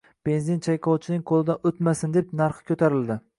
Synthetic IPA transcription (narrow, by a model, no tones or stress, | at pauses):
b̥e̞nzɪnt͡ʃʰajqʰɒwt͡ʃʰɪnɪŋqʰolˠɪd̪aʔot̪masɪnd̪epnaɾχɨ̥kʲʰɵt̪ʰaɾɪld̪ɪ